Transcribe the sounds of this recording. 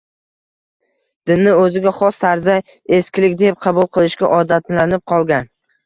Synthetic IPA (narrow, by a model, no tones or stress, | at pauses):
d̪̥ɪnːɪɵzɪɡʲaχɒst̪aɾzaj | e̞skʲɪlɪkʲd̪ep̚qʰɑbʊlˠqʰɨlˠɪʃɡʲaʔɒd̪at̪lanɪp̚qʰɒlˠɡʲan